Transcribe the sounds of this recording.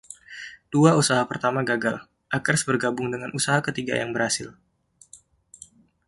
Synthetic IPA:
t̪uausaɦapərt̪amaɡaɡal | ʔakərsbərɡabʊŋdəŋanusaɦakət̪iɡa̰jaŋbəɾhasɪl

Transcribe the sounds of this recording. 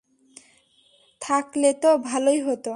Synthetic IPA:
t̪ʰaklet̪obʱalojɦot̪o

